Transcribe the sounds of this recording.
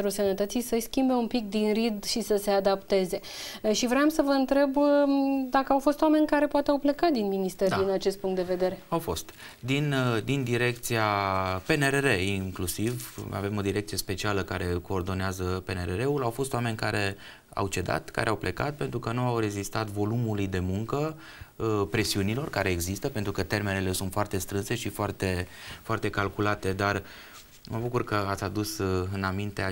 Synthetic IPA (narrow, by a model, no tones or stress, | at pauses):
ɾulsənət̪ət̪sijsəʃskʲimbe̞umpik̚d̪inrid̪ʃisəse̞ad̪apt̪e̞ze̞ | ʃivɾeamsəvəɨnt̪ɾe̞b | d̪akəawfo̞st̪wame̞nʲkaɾe̞poat̪eawple̞kat̪̚d̪inminist̪e̞ɾid̪inat͡ʃe̞st̪̚puŋkt̪d̪eve̞d̪e̞ɾe̞awfo̞̰st̪ | d̪ind̪ind̪iɾe̞k̚t̪siape̞neɾeɾe̞iŋklusiva̰vemo̞d̪iɾekt̪sije̞spe̞t͡ʃialəkaɾe̞ko̞ːrd̪o̞neazəpe̞neɾeɾe̞ulawfo̞st̪owame̞nʲkaɾe̞ | a̰wt͡ʃe̞d̪a̰t̪ka̰ɾʔeawplʔe̞kat̪̚pent̪ɾukənuawɾe̞zist̪at̪vo̞lumulujd̪e̞muŋkə | pɾe̞siunilo̞rkaɾe̞ːɡzist̪əpe̞nt̪ɾukət̪e̞rme̞nele̞sunt̪foart̪e̞st̪ɾɨnse̞ʃifoart̪e̞foart̪e̞kalkulat̪e̞d̪ar | məbukurkəat̪sʲad̪usɨnamint̪ea